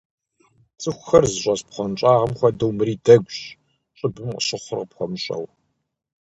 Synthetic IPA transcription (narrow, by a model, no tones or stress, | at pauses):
t͡sʼɨxʷxɐrzɨɕʷʼɐspχʷɔnt͡ʃʼɑːʁɐmxʷɐdɐwmɨɾiːdɐɡʷɕ | t͡ʃʼɪbɨmqəɕɪχʷʊrqəpxʷɔmɨɕʼɐ̰w